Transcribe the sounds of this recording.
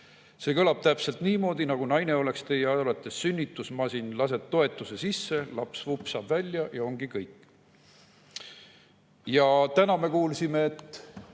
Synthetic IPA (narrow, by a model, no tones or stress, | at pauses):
se̞kɤlɑb̥t̪æpse̞lt̪niːmo̞ːd̪̥inɑɡ̥unɑjne̞o̞le̞kst̪e̞jɑɑɑlɑt̪ˑːesːynʲːit̪ːˑusmɑsinlɑs̬e̞d̪̚t̪o̞e̞t̪ːˑuse̞sisːe̞lɑpsvupːsɑːb̥vælʲjɑjɑo̞ŋɡ̥ikɤjkː | jɑt̪ænɑme̞kuːlsime̞ːt̪ːˑ